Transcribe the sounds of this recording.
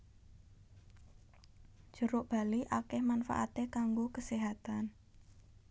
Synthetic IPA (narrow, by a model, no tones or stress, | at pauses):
ʒ̥ə̤ɾʊʔb̥a̤liʔakɛhmanfa̰ʔa̰t̪ekaŋɡokəseɦat̪an